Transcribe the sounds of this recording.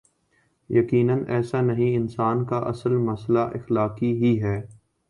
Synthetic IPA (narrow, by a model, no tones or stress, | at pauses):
jɐkiːnənɛːsanɐɦĩɪnsaːnkaʔɐsəlmɐslaʔɪxlaːkiɦiɦɛː